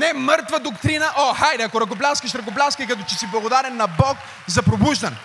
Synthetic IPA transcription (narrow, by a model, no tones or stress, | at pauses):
nɛmɤɾt̪vɐd̪okt̪ɾinəʔoxajd̪ɛɐkoɾɐkoplʲaskəʃɾɐk̬oplʲaskikɐt̪ɔt͡ʃɛsiblˠɐɡod̪aɾɛnːɐbɔk | zɐpɾobuʒd̪ɐnɛ